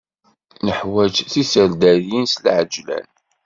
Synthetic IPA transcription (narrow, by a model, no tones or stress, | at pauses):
nəħwæd͡ʒθisəɾd̪æɾjinslʕəd͡ʒlæ̰n